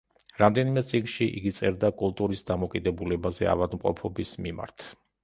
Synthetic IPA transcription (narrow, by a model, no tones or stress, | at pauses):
ɾamd̪ɛnimɛt̪sʼikʼʃiʔḭɡit̪sʼɛɾd̪akʼulˠt̪ʼuɾisd̪amɔkʼid̪ɛbulɛbazɛ̰a̰vad̪mqʼɔ̰pʰɔbismima̰ɾt̪ʰ